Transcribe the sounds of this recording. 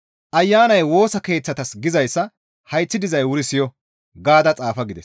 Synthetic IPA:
ʔɐjːaːnɐjwo̞ːsɐke̞ːt͡sːɐt̪ɐsɡɪzɐjsːɐ | hɐjt͡sːɪd̪ɪzɐjwʊɾɪsɪjɔ | ɡaːd̪ɐt͡sʼaːfɐɡɪd̪ɛs

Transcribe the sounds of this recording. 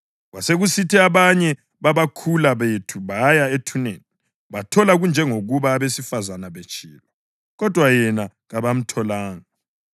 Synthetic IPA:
ɣaseɣusitʰɛaβaɲɛ | βaβakʰulaβetʰuβajaetʰuneːni | βatʰɔlaɣund͡ʒʱɛŋoɣuβaːβesifazanaβet͡ʃʼiːlwa | ɣɔd̥ʱwajɛnaɣaβam̩tʰɔlaːŋa

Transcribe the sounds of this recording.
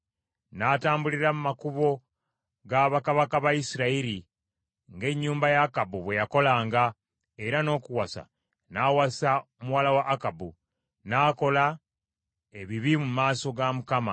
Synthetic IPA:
naːtaːmbuliɾamumakuβo̞ | ɡaβakaβakaβaisiɾaiɾi | ŋɡe̞ɲːuːmbajaːkabuβwe̞jako̞laːŋɡa | e̞ɾano̞ːkuwasa̰ | naːwasaomuwalawaʔːkabu | naːko̞la | e̞βiβimumaːso̞ɡamukama

